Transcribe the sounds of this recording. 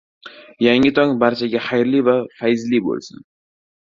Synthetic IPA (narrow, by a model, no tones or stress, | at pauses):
jaŋɪt̪ʰɒŋbaɾt͡ʃʰaɡʲaχajɾlivafajzlibo̰lˠsɪ̰n